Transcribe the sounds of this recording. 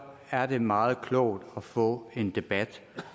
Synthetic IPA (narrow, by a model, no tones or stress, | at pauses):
æɐd̥e̝mɑ̈ːð̞̩ˠkʰlɒʊ̰d̥ɒfɔ̰̽ːe̝nd̥e̝b̥æd̥